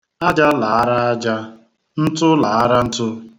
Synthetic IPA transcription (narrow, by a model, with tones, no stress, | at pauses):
a˦d͡ʒa˦la˨a˦ɾa˦a˦d͡ʒa˦ | n̩˦tʊ˦la˨a˦ɾa˦n̩˦tʊ˦